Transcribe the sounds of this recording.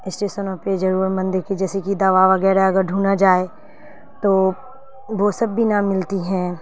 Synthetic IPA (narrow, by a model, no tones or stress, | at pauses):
ɪsʈeːʃənõped͡ʒɐɾuːɾmɐ̃nd̪eɾkʰed͡ʒɛːsekid̪ɐʋaʋɐɡɛːɾaɦɛɐɡəɾɖʱuːnad͡ʒaːe | t̪oː | ʋosɐbːʱinamɪlt̪iɦɛ̃ː